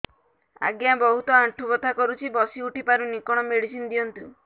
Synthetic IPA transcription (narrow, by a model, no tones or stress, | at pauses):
a̰ɡjabɔɦut̪ɔaɳʈʰubɔt̪ʰakɔɾut͡ʃʰibɔsiuʈipaɾunikɔɽ̃ɔmeɽisind̪iɔnt̪u